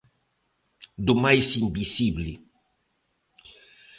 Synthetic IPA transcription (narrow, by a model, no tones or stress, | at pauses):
d̪umajsimbisible